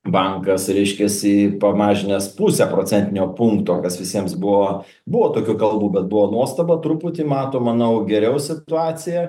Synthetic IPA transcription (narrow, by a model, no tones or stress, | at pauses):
bɐŋkɐsɾʲɛɪʃʲkʲɛsipɐmɑːʒʲɪnʲɛspusʲɛpɾoːt͡ssʲɛnʲt̪ʲɪnʲoːpuŋkt̪oːkɐsʋʲɪsʲiɛmsbʊʋoː | bʊʋoːt̪oːkʲuːkɐlˠbuːbʲɛt̪̚bʊʋoːnuɔst̪ɐbɐt̪ɾuput̪ʲimɑːt̪oːmɐnɐʊɡʲɛɾʲɛʊsʲɪt̪ʊɑːsʲɪjɛ